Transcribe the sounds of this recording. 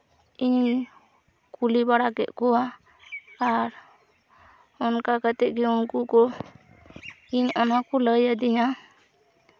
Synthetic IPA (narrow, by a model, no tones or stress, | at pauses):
iɲ | kulibaɽakɛʔkɔwa | aɾ | ɔnkakət̪ɛʔkiunkukɔ | iɲɔnakuləjad̪ija